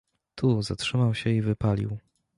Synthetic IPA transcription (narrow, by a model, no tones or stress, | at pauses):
t̪ʰuzatʂɘmawɕɛivɘpalʲḭw